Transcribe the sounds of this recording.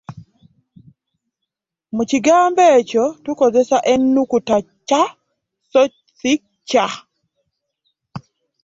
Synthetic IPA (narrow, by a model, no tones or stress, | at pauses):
mut͡ʃiɡambɛt͡ʃɔtukɔzɛsaʔɛnːukuta | t͡ʃa | sɔt͡ʃ | sɪk̚t͡ʃa